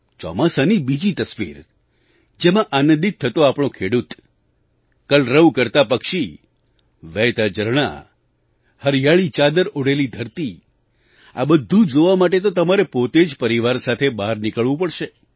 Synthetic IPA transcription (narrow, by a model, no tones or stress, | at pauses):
t͡ʃɔ̰masanibid͡ʒit̪əsʋḭɾ | d͡ʒemãʔanənd̪it̪ʰːət̪oapɽ̃õkʰeɽut̪ | kəlɾəʋkəɾt̪apəkʃi | ʋɛjt̪ad͡ʒəɾɳ̃a̰ | həɾjaɭit͡ʃad̪əɾoɽelid̪ʱəɾt̪i | a̰bəd̪ʱːũd͡ʒoʋamaʈet̪̬ot̪əmaɾepot̪ed͡ʒpəɾiʋaɾsat̪ʰebaɾnikəɭʋũpəɽʃe